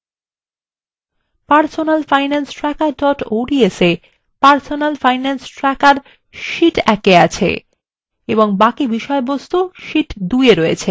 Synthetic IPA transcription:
paɾsonalfajnansʈɾɛkaɖɔʈoɖiese | paɾsonalfajnansʈɾɛkaɾ | ʃiʈɛkeat͡ɕʰḛ | eboŋbakibiʃɔebost̪uʃiʈd̪ujeɾoet͡ɕʰe

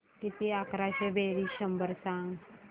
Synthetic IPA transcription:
kit̪iakɾaɕebeɾiɕəmbəɾsãŋɡ

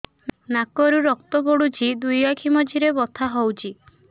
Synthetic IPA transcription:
nnakɔɾuɾɔk̚t̪ɔbɔɽut͡ʃʰid̪ujakʰimɔd͡ʒiɾebɔt̪ʰaɦɔwt͡ʃʰi

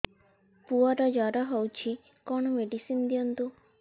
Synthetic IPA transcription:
puaɾad͡ʒaɾaɦɔwt͡ʃʰi | kɔɳmeɖisind̪ijɔnt̪u

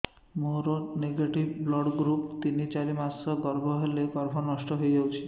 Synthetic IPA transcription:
moɾɔneɡeʈibblɔɽɡɾupt̪init͡ʃaɾimasɔɡɔɾbʱɔɦeleɡɔɾbʱɔnɔsʈɔɦojd͡ʒawt͡ʃʰi̥

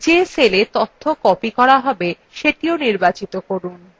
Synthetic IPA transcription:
d͡ʑeselet̪ot̪ʰːokɔpikɔɾaɦɔbe | ʃeʈioniɾbat͡ɕit̪okoɾun

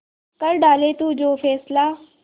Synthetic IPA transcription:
kəɾɖaːlet̪uːd͡ʒoːfʰɛːslaː

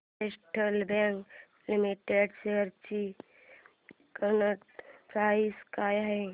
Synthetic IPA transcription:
esʈəlbẽŋk | limiʈeɖseəɾt͡ʃi | kənəʈpaːiskaːjɦɛ

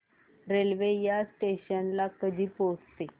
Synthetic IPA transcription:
ɾelʋejasʈeɕənlakəd̪ʱiːpost̪e

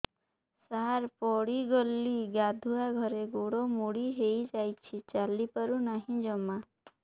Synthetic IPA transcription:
saɾpɔɽiɡɔlːiɡad̪ʱuaɡʱɔɾeɡoɽomuɽiɦejd͡ʒajt͡ʃʰit͡ʃalipaɾunaɦĩd͡ʒɔma

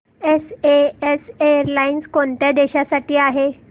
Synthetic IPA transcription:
eseesejəɾlainskoɳt̪jad̪eɕasaʈiːaɦe

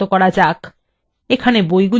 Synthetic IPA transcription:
okɔɾad͡ʑak | ekʰanebojɡul

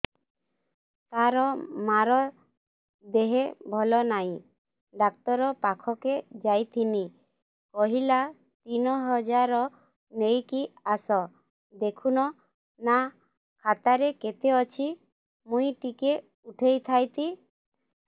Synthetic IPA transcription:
t̪aɾɔmaɾɔ | d̪eɦebʱɔlɔnaj̃ | ɖakt̪ɔɾɔpakʰɔked͡ʒajt̪ʰini | kɔɦila | t̪inɔɦɔd͡ʒaɾɔ | nejkiasɔ | d̪ekʰunɔ | na | kʰat̪aɾeket̪eɔt͡ʃʰi | mũjʈike | uʈʰejt̪ʰajt̪i

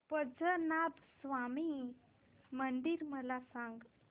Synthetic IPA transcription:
pəd͡zənabsʋami | məɳɖiːɾməlasãŋɡ

